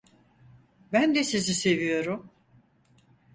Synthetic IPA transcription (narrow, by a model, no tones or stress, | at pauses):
bænd̪ɛsizise̞vijo̞ɾum